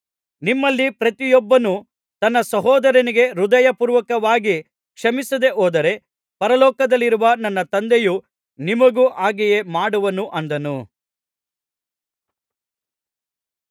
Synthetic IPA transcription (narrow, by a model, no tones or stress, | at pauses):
nimːɐlːipɾɐt̪ijɔbːɐnu | t̪ɐnːɐsɐɦɔːd̪ɐɾɐniɡe̞ɾud̪ɐjɐpuːɾʋɐkɐʋaːɡi | kʂɐmisɐd̪e̞ʔoːd̪ɐɾe̞ | pɐɾɐlɔːkɐd̪ɐlːiɾuʋɐnɐnːɐt̪ɐnd̪eju | nimɐɡuːʔaːɡije̞maːɽuʋɐnuʔɐnd̪ɐnu